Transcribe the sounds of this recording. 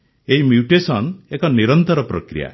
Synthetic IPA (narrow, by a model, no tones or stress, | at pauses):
eɦimjuʈesɔnekɔniɾɔnt̪ɔɾɔpɾɔkɾḭja̰